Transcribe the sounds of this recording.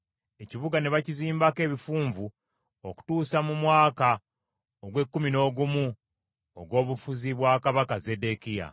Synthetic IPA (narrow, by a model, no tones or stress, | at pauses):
e̞ciβuɡane̞βaciziːmbake̞ːβifuːɱvu | oku̥tuːsamumwaːka | oɡwe̞kːumino̞ːɡumu | oɡwo̞ːβufuziβwaːkaβakaze̞de̞kija̰